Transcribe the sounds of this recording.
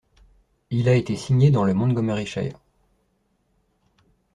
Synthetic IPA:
ilaet̪esiɲed̪ɑ̃ləmɔ̃nɡɔmɛʁiʃa̰j

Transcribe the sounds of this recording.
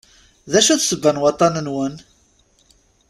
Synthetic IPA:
ðæʃuθsəbːænwɑt̪ˤːɑnənwən

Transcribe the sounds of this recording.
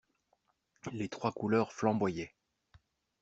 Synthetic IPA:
let̪χwakulœʁflɑ̃bwajɛ

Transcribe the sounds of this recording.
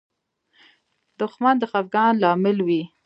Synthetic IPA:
d̪ʊxmand̪əxafɡɑnlɑmɪlwi

